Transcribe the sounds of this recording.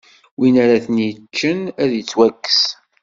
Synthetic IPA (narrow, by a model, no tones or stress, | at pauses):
winaɾaθənjt͡ʃːənæðjət͡sːwækːə̥s